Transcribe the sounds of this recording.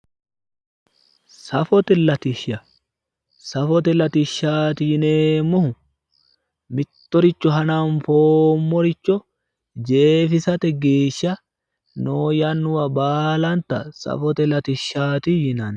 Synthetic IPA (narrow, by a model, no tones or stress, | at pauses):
sɐfɔt̪ɛlɐt̪ɪʃɐ | sɐfɔt̪ɛlɐt̪ɪʃːaːt̪ɪjɪneːmʊhʊ | mɪt̪ːɔɾɪt͡ʃːɔɦɐnanfoːmːɔɾɪt͡ʃːɔ | d͡ʒeːfɪsɐt̪ɛɡeːʃːɐ | noːjɐnːʊwɐbaːlɐnt̪ɐ̰sɐ̰fɔt̪ɛlɐt̪ɪʃːaːt̪ɪjɪnɐn